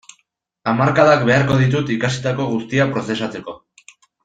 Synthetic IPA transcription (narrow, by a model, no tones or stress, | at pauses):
amaɾkaðakbe̞aɾko̞ð̞it̪̬ut̪ikasi̥t̪ako̞ɣ̞ust̪iapɾo̞θe̞sat͡se̞ko̞